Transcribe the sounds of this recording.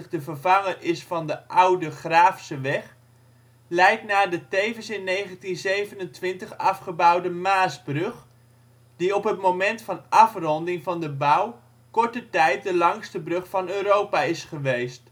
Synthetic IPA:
χdəvərvɑŋərɪsfɑndəʔʌwdəχraːfsəʋɛχ | lɛjtnaːɹdətejvənsɪnːejχəntinzejvənəntʋɪntəχɑfχəbʌwdəmaːsbrɵχ | d̥iɔpɦətmomɛntfɑnʔɑfrɔndɪŋvɑndəbaw | kɔɹtətɛjt̚dəlɑŋstəbrɵχfɑnøːɾowpaɪsχəʋejst

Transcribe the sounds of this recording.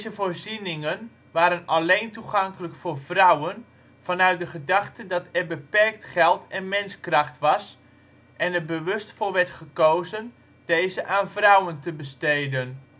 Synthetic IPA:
zəvoːɹzinɪŋən | ʋaːɾənalejntuχɑŋkələkfʊːɹvrʌwən | v̥ɑnœɥt̚dəχədɑχtədɑtɛrbəpɛrk̚tχɛlˠtɛnmɪnskrɑχtʋɑs | ʔɛnɛrbəʋɵstfolˠʋɛɹtχəkowzən | d̥ejzəʔaːnvrʌwəntəbəstejdən

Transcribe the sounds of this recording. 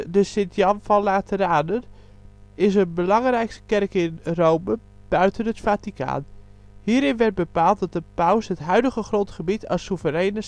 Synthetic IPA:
dəsɪndjɑmfɔnlaːtəraːnən | ɪsənbəlɑŋrɛjkstə̥kɛrkɪnrowmə | b̥œɥtənɦətfatika̰ːn | hiːəɾɪnʋɛrt̚bəpaːlˠt̚dɑt̚dəpœwsɦətɦœɥdəɣəχrontχəbitʰɑsuvəɾɛjnə

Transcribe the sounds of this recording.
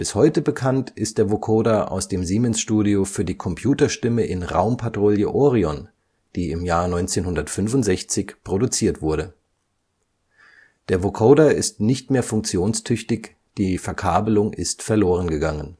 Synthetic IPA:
b̥ɪshɔʏtəbəkʰantʔɪst̚d̥eːɐvokʰoːdaʔa̰ʊsd̥eːmziːmɛnsʃtuːdiofyːɐdiːkʰɔmpʰj̥uːtɐʃtɪməʔɪnʁa̰ʊmpʰatʁ̥oːljəʔɔːʁiɔn | d̥iːɪmjaːɐnɔʏnt͡seːnhʊndɐtfʏnfʊntz̥ɛçt͡sɪçpʁ̥odut͡siːɐtv̥ʊɐɾə | d̥eːɐvokʰoːdaɪstnɪçtmeːɐfʊŋk̚t͡sjoːnstʰʏçtɪç | d̥iːfɛɐkʰaːbəlʊŋʔɪ̰stfɛɐloːʁ̞ənɡəɡaŋən

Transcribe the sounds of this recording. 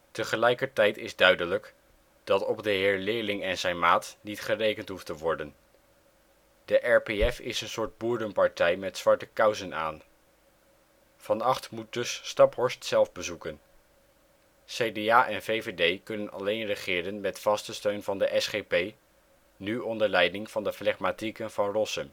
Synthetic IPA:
təχəlɛjkəɹtɛjtɪzdœɥdələk | d̥ɑtɔbdəɦɪːɹlɪːlɪŋɛnzɛjnmaːtnitχərejkəntɦuftəʋɔɹdən | dəʔɛɹpeɛfɪ̰sənsʊːɹd̚buːɹdəmpɑɹtɛjmɛtsʋɑɹtəkœwzəna̰ːn | v̥ɑnɑχtmut̚dɵsːtɑpɦɔɹstsɛlˠvbəzukən | sejdeaːʔɛnvejvedejkɵnənɑ̰lejnrəχɪːɾənmɛtfɑstəstøɥnvɑndəʔɛsχejpej | nyɔndəɹlɛjdɪŋv̥ɑndəplɛχmatikənvɑnrɔsəm

